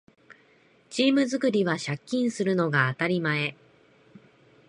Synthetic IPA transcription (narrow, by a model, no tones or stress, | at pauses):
t͡ɕiːmɯ̟zɨkɯ̟ɾʲiβaɕakʲːĩɰ̃sɨɾɯ̟no̞ɡaːt̪aɾʲimae̞